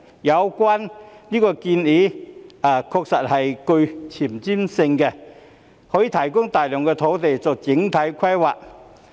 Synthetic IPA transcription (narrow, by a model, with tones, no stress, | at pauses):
jɐ˨˧wkwaː˥nliː˥kɔː˧ki˧ni˨˥a˨˩kʰɔː˧k̚sɐ˨t̚hɐ˨jkɵ˧ɥt͡sʰi˨˩mt͡siː˥msɪ˧ŋkɛ˧ | hɔː˨˥jiː˧˩t̪ʰɐ˨˩jkʊ˥ŋt̪aː˨jlɔː˨˩ŋkɛ˧t̪ʰo˨˥wt̪e˨jt͡sɔː˨k̚t͡sɪ˨˥ŋt̪ʰɐ˨˥jkʰɐ˥jwa̰ː˨˩k̚